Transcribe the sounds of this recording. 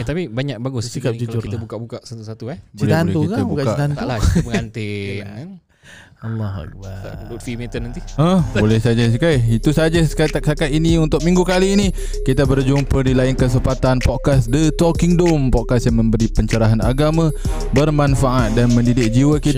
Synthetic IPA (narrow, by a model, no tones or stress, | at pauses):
t̪apibaɲak̚baɡʊskauit̪abukaʔbukaʔsat̪usat̪ukat͡ʃilt̪ant̪ukabukaaant̪alabəŋant̪ɪŋan | ɑlːɔha̰k̚ba̰dut̪fimit̪ənant̪iə̃hbolɛhsad͡ʒas̬əkajit̪usad͡ʒaskaasakat̪iniunt̪ʊk̚mĩŋɡukaliːnikit̪abərd͡ʒʊŋpədilaɪnkəs̬əmpat̪anpɔt̪̚kasdət̪ɔkiŋdʊmpɔt̪̚kasjaŋmə̃mbəɾipəɲt͡ʃəɾaɦanaɡamã | bərmanfaʔat̪̚danmə̃ndidɪk̚d͡ʒiwəkit̪